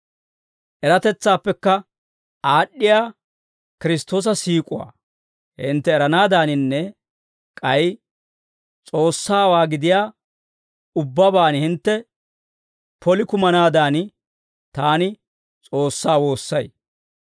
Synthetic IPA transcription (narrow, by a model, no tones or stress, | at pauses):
ʔɛɾɐt̪ɛt͡sːaːpːɛkːɐ | aːɗːɪjaː | kɪɾɪst̪ːo̞ːs̬ɐsiːkʼʊwa̰ː | hɪ̰nt̪ːɛːɾɐnaːd̪aːnɪnːɛ | kʼɐj | t͡sʼo̞ːsːaːwaːɡɪd̪ɪjaː | ʊbːɐbaːnhɪnt̪ːɛ | pɔlɪkʊmɐnaːd̪aːn | t̪aːnɪ | t͡sʼo̞ːsːaːwo̞ːsːɐj